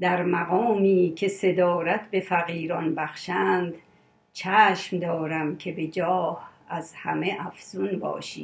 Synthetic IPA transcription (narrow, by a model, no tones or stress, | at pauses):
d̪æɾmæɣɒːmiːkʰe̞se̞d̪ɒːɾæt̪ʰbe̞fæɣiːɾɒnbæxʃænd̪ | t͡ʃʰæːʃmd̪ɒːɾæmkʰe̞be̞d͡ʒɒːh | æzhæ̰meʔæfz̥unbɒ̰ːʃḭː